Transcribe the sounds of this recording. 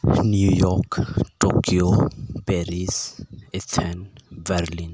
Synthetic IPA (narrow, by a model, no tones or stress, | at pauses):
njujɔkʈokiopɛɾisɛt̪ʰɛnbɛɾlĩn